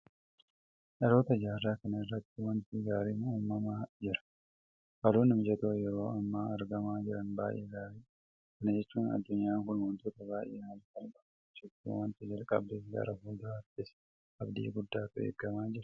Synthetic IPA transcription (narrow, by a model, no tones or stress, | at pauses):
ʔɐɾo̞ːt̪ɐd͡ʒaːrːaːkɐnɐɪrːɐt̪ːɪwɐnt̪iɡaːɾiːmuːmːɐmaːd͡ʒɪɾɐ̥ | kɐluːnɪmd͡ʒɐt̪oːjɛɾo̞ːɐmːaːɐɾɡɐmaːd͡ʒɪɾɐnba̰ːjʔḛːɡaːɾiː | kɐnɐd͡ʒɛt͡ʃːuːnɐ̰d̪ːʊɲːaːŋkʊnwɐnt̪oːt̪ɐbaːjʔeːhɐlfɐlkʼɐb | t͡ʃɪt̪ːḭwɐnt̪ɪd͡ʒɐlkʼɐ̰bːeːɡɐ̰ːɾɐfʊːd̪ɐɐt̪ːɪs | ɐbd̪ḭːɡʊd̪ːaːt̪ʊḛːɡːɐmaːd͡ʒɪɾɐ̥